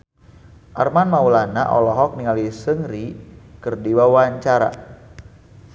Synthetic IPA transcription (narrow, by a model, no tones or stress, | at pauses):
ʔarmanmaulana̰ʔɔlɔɦɔk̚niŋalisəŋɾikərdiwawaɲt͡ʃaɾa̰